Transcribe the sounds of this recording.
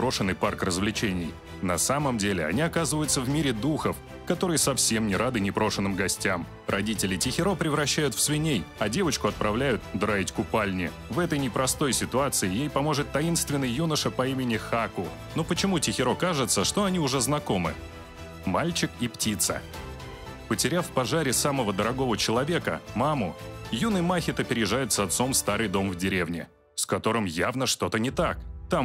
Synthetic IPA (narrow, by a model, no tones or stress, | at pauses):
ɾo̞ʂɨnːɨjparkrəzvlʲɪt͡ɕenʲɪj | nɐsaməmdʲelʲɪɐ̰nʲiɐkazɨvəjʊt̪səvmʲiɾʲɪd̪uxəf | kɐt̪o̞ɾɨjəsɐfsʲe̞mnʲɪɾʔad̪ɨnʲɪpɾo̞ʂɨnːɨmɡɐsʲtʲam | rɐdʲitʲɪlʲɪtʲɪxʲɪɾo̞pɾʲɪvɾɐɕːæjʊt̪fsvʲɪnʲejɐdʲe̞vət͡ɕkʊɐt̪̚pɾɐvlʲæjʊt̪̚d̪ɾaɪtʲkʊpalʲnʲɪ | vɛt̪əjnʲɪpɾɐst̪o̞jsʲɪt̪ʊat̪sɨɪjejpɐmo̞ʐɨt̪ːɐin̪st̪vʲɪnːəjːunəʂɨpɐimʲɪnʲɪxakʊ | nopət͡ɕɪmutʲɪxʲɪɾo̞kaʐɨt̪səʂt̪o̞ɐnʲiʊʐɛznɐko̞mɨ̰ | malʲt͡ɕɪkiptʲit̪sə̰ | pətʲɪɾʲafpɐʐaɾʲɪsaməvəd̪əɾɐɡo̞vət͡ɕɪlˠɐvʲe̞kə̰mamʊjunɨjmaxʲɪt̪ɐpʲɪɾʲɪʐajʊt̪sɐt̪so̞mst̪aɾɨjd̪o̞mvdʲɪɾʲe̞vnʲɪ̰ | skɐt̪o̞ɾɨmjavnəʂt̪o̞t̪ənʲɪt̪ak̚t̪am